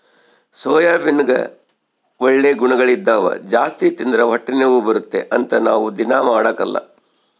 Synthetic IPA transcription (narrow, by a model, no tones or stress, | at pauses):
sɔːjaːbinɡɐ̰ | ʋoɭːeɡuɳɐɡɐɭid̪ːaːʋɐ̰d͡ʒaːst̪it̪ind̪ɾɐʋɐʈːɐneʋubɐɾut̪ːe̞ʔɐnt̪ɐnaːʋud̪inaːmaːɽɐkɐlːɐ̰